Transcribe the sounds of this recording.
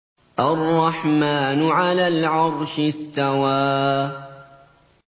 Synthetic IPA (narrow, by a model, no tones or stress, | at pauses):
ʔɑrˤːɑħmaːnʊʕalaːlʕɑɾˤʃɪst̪awaː